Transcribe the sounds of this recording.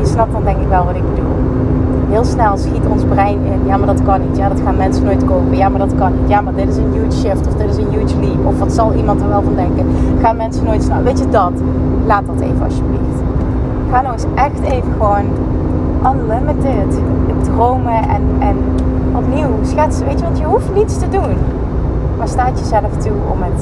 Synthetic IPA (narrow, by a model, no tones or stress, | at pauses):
əsnɑp̚dɑndɛŋkɪkʋɛlˠʋɑtɪɡ̚bdulˠ | ɦɪːlˠsnɛlˠsxitɔnzbrɛjnɪnjaːmaːdɑtkɑnːitjaːdɑtxaːnmɛnsənoːjtkowpəjaːmaɹdɑtkɑnːitjaːmaːɹdɪtɪsənjuwʃɪftɔfdɪdɪsənjuwtlipɔfʋɑtsɑlˠʔimɑntəɹʋɛlˠvɑndɛŋkənχaːnmɛnsənoːjtsnɑʋejtədɑt | laːt̚dɑtḛjvəɑ̰ʃjəblixt | xaːnɔwəsʔɛxtejvəɣəʋoːn | ʔənlɪmətɪt | ədrowməʔɛ̰nɛn | ɔpniwsxɛtsəʋejtəʋɑntjəɦuftnitstədun | maːɹstaːtjəzɛləftʰuɔ̰mət